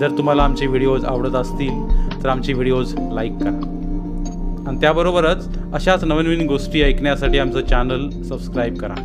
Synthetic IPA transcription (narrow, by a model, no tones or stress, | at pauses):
d͡zəɾt̪um̤alaːmt͡ɕeʋiɽijod͡za̰ʋɽət̪əst̪iːlt̪əɾamt͡ɕeʋiɽijod͡zlaikːəɾa | aɽ̃it̪jabəɾobəɾət͡s | əɕat͡snəʋənʋiniɡosʈiːəjkɳjasaʈiːamt͡sət͡ɕanəl | səbskɾajb̚kəɾa̰